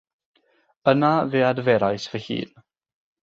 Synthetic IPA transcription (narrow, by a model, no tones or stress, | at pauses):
ənaveːadvɛɾajsv̥əhḭːn